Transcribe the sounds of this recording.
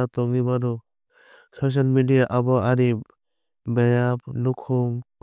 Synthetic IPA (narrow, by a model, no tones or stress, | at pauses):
at̪ɔŋnibanɔ | sɔs̬almidijaʔabɔaɾi | bajap̚nukʰuŋ